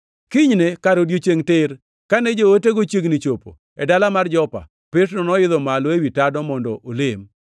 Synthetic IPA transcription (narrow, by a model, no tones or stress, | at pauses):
kiɲnekaɾodjot͡ʃeŋtɪr | kanɛd͡ʒooteɡot͡ʃjeɡnit͡ʃopo̰ | ɛdalamard͡ʒɔpa̰ | pɪtnɔnɔɪðɔmalɔewitadɔmɔndɔʔolem